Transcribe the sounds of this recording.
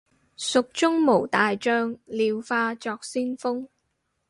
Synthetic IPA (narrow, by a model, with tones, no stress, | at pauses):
sʊ˨k̚t͡ʃʊ˥ŋmo˨˩wt̪aː˨jt͡ʃœː˧ŋliː˨˧wfaː˧t͡sɔː˧k̚siː˥nfʊ˥ŋ